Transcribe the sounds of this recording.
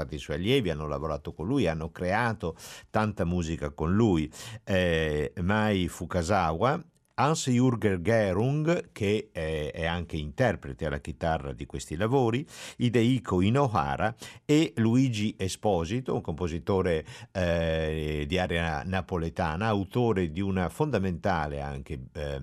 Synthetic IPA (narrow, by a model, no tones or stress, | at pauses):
at̪ːiswɔjaljɛvianːola̰voɾaːt̪okonlujanːokɾeaːt̪ot̪ant̪amuːzikakonlujɛmajfukazawa | ansjuɾɡeɾɡɛɾuŋɡkʰeɛaŋkeint̪ɛrpɾet̪eala̰k̟it̪arːa̰d̪ikwest̪ilavoːɾiid̪eikʰoinoɦa̰ːɾʔaeluid͡ʒiʔespɔzit̪ouŋkompozit̪oːɾe | d̪iaɾɛanapolet̪a̰ːnaːwt̪oːɾed̪iunafond̪ament̪aːlḛa̰ŋke